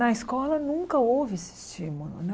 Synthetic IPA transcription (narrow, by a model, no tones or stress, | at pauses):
ɐiskɔlɐnũŋkɐowvɪesɪ̥st͡ʃimulʊ̰nɛ